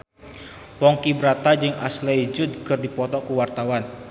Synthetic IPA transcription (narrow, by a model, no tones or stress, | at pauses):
pɔŋkibɾat̪ad͡ʒɨŋa̰slejd͡ʒut̪̚kɨrdipɔt̪ɔkuwart̪awan